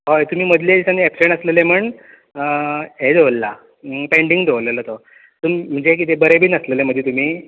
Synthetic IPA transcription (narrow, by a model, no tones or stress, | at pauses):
ɦojt̪um̤iːməd̪ʱljed͡ʑisaniɛpseɳəslelem̤əɳ | əɦed͡zolːa | pẽɳɖiŋɡd̪ʱeʋlelət̪o | t̪umim̤ːəɳd͡ʑek̬it̪̬ebəɾebiːnəsleleməd̪ʱjet̪um̤iː